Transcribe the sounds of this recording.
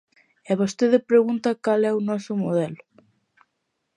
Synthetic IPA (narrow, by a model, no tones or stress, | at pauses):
eβost̪eðɪpɾeɣunt̪ɐkalɛunɔsʊmoðɛlʊ